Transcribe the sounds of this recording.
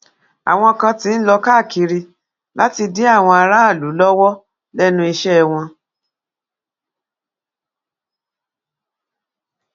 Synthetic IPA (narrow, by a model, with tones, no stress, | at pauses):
a̰˨w̃ɔ̃˧kã˧tĩ˦n̩˦lɔ˧ka˦˨ki˧ɾi˧ | la˦ti˧di˦a˦˨w̃ɔ̃˧a˧ɾa˦a˦˨lu˨˦lɔ˦wɔ˦ | lɛ˦nũ˦˧i˧ʃɛ˦˧w̃ɔ̃˧